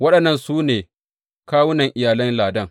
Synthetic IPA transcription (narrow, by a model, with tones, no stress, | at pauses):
wɐ˦ɗɐ˨nːɐ˦nsuː˦neː˨ | kaː˦wʊ˦nɐ˨ŋʔɪ˨jaː˨lɐ˦nlaː˨dɐ˦˨ŋ